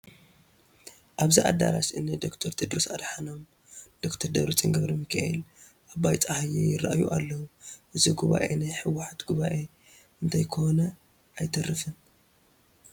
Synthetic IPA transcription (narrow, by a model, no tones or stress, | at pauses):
ʔaβziʔa̰d̪a̰ɾasɨnɨd̪o̞kt̪ʰɐɾt̪ʰɨd̪ɾosad̪ħanom | d̪̥okt̪ʰɐɾd̪ɐβɾut͡sʼiŋɡɐβɾimɨkʰaʔḛl | ʔaβajt͡sʼahajejɪraʔajuʔalːɐwuʔɨziɡuβa̰ʔenajħɨwːaħat̪ɡuβaʔe | ɨnt̪ʰajkʰonɐ | ʔajt̪ʰɐrɨfɨn